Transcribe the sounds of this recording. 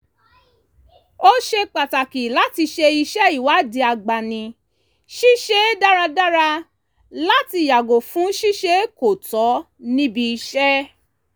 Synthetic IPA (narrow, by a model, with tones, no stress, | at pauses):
o˦ʃe˧k͡pa˨ta˨ki˨la˦ti˧ʃe˧i˧ʃɛ˦i˨wa˨˦˨di˧a˧ɡ͡ba˨nĩ˧ | ʃi˦ʃe˦da˦ɾa˧da˦ɾa˧ | la˦ti˧ja˨ɡo˨fũ˨˦ʃi˦ʃe˦ko˨tɔ˨˦ | nĩ˦bi˧i˧ʃɛ˦